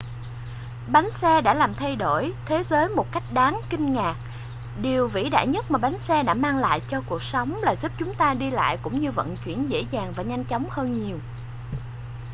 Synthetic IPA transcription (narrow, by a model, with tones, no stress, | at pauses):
ɓa˨˦jŋ̟sɛ˧ɗa̰ː˧˥laː˨˩mt̪ʰa˧jɗo˧˩jt̪ʰe˨˦zəː˨˦jmo˨˩t̚ka˦˥jk̟̚ɗaː˨˦ŋkï˧ŋ̟ŋaː˨˩k̚ | ɗi˨˩əwvḭ˧˥ɗa̰ː˧˨jɲə˦˥t̚maː˨˩ɓa˨˦jŋ̟sɛ˧ɗa̰ː˧˥maː˧ŋla̰ː˧˨jt͡ɕɔ˧ku˨˩ək̚sə˨˦wŋ͡mlaː˨˩zu˦˥p̚t͡ɕʊ˨˦ŋ͡mt̪aː˧ɗi˧la̰ː˧˨jkʊ̰˧˥ŋ͡mɲɨ˧və̰˧˨nt͡ɕwḭ˧˩ənzḛ˧˥zaː˨˩ŋvaː˨˩ɲa˧jŋ̟t͡ɕɔ˨˦wŋ͡mhəː˧nɲi˨˩əw